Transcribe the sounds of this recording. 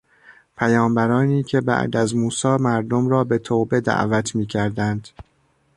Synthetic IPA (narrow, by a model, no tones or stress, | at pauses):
pʰæjɒːmbæɾɒːniːcʰe̞bæ̰ʔd̪æzmuːsɒːmæɾd̪omɾɒːbe̞t̪ʰoːbe̞d̪æ̰ʔvæt̪ʰmiːcʰæɾd̪ænd̪̥